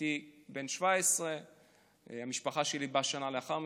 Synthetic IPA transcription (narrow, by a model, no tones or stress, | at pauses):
ibenʃvaesʁe | amiʃpaχaʃelibaʃanaleaχaʁm